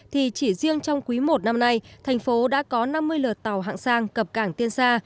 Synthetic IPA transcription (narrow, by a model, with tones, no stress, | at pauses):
t̪ʰi˨˩t͡ɕi˧˩zi˧əŋt͡ɕɔ˧wŋ͡mkwi˨˦mo˨˩t̚na˧mna˧jtt̪ʰɛ˨˩jŋ̟fo˨˦ɗa̰ː˧˥kɔ˨˦na˧mːɨ˧əjləː˨˩t̚t̪a˨˩wɦa̰ː˧˨ŋsaː˧ŋkə˨˩p̚kaː˧˩ŋt̪i˧ənsaː˧